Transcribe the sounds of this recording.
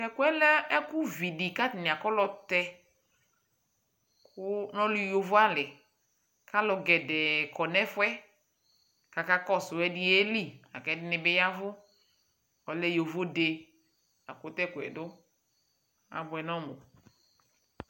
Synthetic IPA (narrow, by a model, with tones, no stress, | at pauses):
kɛ˨kʊ˦ɛ˦lɛ˦ɛ˦kʊ˦vi˨di˨ka˦tɪ˨nɪ˨a˨kɔ˦lɔ˦tɛ˦ | kʊ˦nɔ̃˦li˦jo˨vʊ˦a˦lɪ˨ | ka˦lɔ˨ɡɛ˨dɛ˨kɔ˨nɛ˦fʊ˦ɛ˦ | ka˨ka˦kɔ˦sʊ˨ɛ˦dɪ˦e˦li˦˨a̰˨kɛ˨˦dɪ˦nɪ˦bɪ˦ja˦vʊ˦ | ɔ˨lɛ˦jo˨vo˦de˨ | a̰˨kʊ˨˦tɛ˦˨kʊ˨ɛ̰˨dʊ˦ | a̰˨bʊ˨ɛ˨nɔ˦mʊ˨